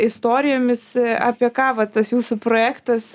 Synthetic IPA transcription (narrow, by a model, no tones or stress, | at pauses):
ɪst̪oːɾʲɪjoːmʲɪsɑ̰ːpʲiɛkɑːʋɐt̪ɐsjuːsʊpɾoːjæːkt̪ɐs